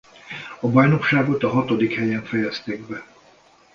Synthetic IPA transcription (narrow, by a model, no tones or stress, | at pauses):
ɒbɒjno̞kʃaːɡo̞t̪ɒɦɒt̪o̞d̪ikhɛjɛɱfɛjɛst̪eːɡ̚bɛ